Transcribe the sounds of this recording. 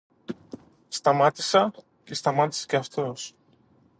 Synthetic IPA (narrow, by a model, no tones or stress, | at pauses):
st̪ɐmɐt̪i̥sɐ | ce̞st̪ɐmɐt̪i̥se̥ceɐft̪o̞s